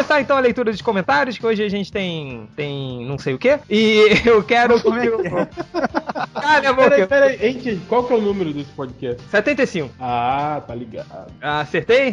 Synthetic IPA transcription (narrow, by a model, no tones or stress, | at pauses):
saẽnt̪ɐ̃w̃ɐlejt̪uɾɐd͡ʒɪkõmẽnt̪aɾjʊskɪoʒɪaʒẽnt͡ʃɪ̥t̪ẽj̃t̪ẽj̃nɐ̃w̃sejʊkeɪewkɛɾʊkõmɛo | kaɾɐẽmɾpɛɾɐiẽj̃t͡ʃẽjkwawkɛʊnũmeɾʊd̪esɪ̥pɔd͡ʒɪkɛst͡ʃɪsɛt̪ẽnt̪ejsĩŋkʊat̪aliɡa̰d̪ʊaseɾt̪ej